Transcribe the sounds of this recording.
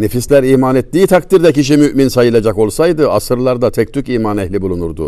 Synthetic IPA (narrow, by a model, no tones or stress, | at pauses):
nefislʲæɾiːmanet̪ːiːt̪ʰakt̪iɾd̪ɛciʃ̬imyʔminsajɯlˠad͡ʒako̞lˠsajd̪ɯasɯɾlˠaɾd̪at̪ʰɛc̚t̪ʰyciːmanɛhlʲibulˠunuɾd̪u